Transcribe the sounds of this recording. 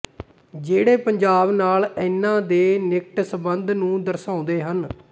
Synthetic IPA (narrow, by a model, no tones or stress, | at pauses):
d͡ʒeːɽeːpəɲd͡ʒaːbnaːlɪnːãːd̪eːnɪk̚ʈsəbənd̪nũːd̪əɾsãːʊ̃nd̪eːɦən